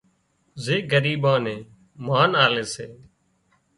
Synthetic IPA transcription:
zeːɡəɾiːɓãːnẽː | maːnaːleːseː

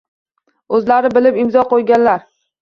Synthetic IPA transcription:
ɵzlaɾɪbɪlɪpɪmzɒqʰojɡʲanlaɾ

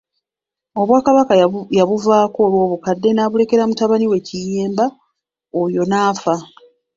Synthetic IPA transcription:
o̞βwaːkaβakajaβuvaːko̞ːlwo̞ːβukadːe̞naːβule̞ke̞ɾamutaβaniwe̞cijeːmba | ojo̞naːfa

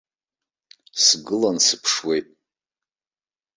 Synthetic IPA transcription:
sɡɨlansɨpʰʂwe̞jtʼ

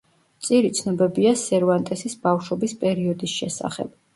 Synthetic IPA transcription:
t̪sʼiɾit̪sʰnɔbɛbiasɛɾvant̪ʼɛsisb̥afʃɔbispʼɛɾiɔd̪isʃɛsa̰χɛ̰b̥

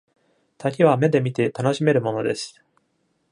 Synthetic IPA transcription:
t̪akʲiβ̞ame̞d̪e̞mʲit̪e̞t̪ano̞ɕime̞ɾɯ̟mo̞no̞d̪e̞sɨ̥

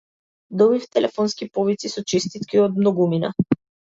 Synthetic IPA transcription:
d̪ɔbift̪ɛlʔɛfɔnskipɔvit̪sisɔt͡ʃist̪it̪kiɔd̪̚mnɔɡumina̰

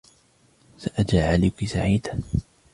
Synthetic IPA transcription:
saʔad͡ʒaːʕaliːkisaʕiːd̪a

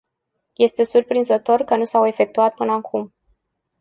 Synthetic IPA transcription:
je̞st̪e̞surpɾinzət̪o̞rkənusawe̞fe̞k̚t̪uat̪̚pɨnəakʰum

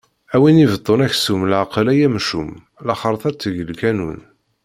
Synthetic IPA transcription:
æwinivəd̪ˤːonæçsumlʕqlæjæmʃum | lɑχəɾˤθˤæt͡sːəʝəlkænṵn

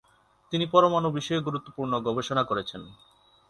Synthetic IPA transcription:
t̪inipɔɾomanobiʃɔeɡuɾut̪ːopuɾnoɡɔbeʃonakoɾet͡ɕʰen

